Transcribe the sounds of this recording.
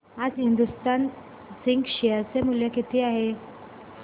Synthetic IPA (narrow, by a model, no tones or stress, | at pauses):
ad͡zɦind̪ust̪an | siŋɡɕiasemuljakit̪ʰiːaɦe